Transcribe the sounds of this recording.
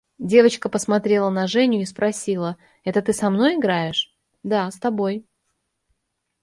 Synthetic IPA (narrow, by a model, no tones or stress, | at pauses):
dʲe̞vət͡ɕkəpəsmɐt̪ɾʲe̞lˠənɐʐɛnʲʊispɾʔɐsʲilˠə | ɛt̪ət̪ɨsɐmno̞jɪɡɾajɪʂ | d̪ast̪ɐbo̞j